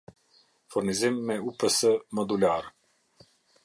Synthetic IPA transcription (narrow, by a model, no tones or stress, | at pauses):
fuɾnizimːɛupəsəmɔd̪ulaɾ